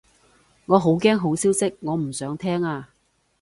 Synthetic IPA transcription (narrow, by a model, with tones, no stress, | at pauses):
ŋɔː˨˧ɦo˨˥wkɛː˥ŋɦo˨˥wsiː˥wsɪ˥k̚ŋɔː˨˧m̩˨˩sœː˨˥ŋt̪ʰɛː˥ŋaː˧